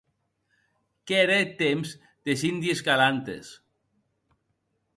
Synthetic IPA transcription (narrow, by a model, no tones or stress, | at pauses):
keɾet̪emz | d̪esind̪ieskalant̪ḛs